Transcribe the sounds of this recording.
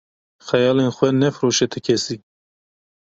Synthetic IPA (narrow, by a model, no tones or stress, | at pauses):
xɛjɑːlenxʷɛnɛfɾoʃɛt̪ʰɨkʰɛsi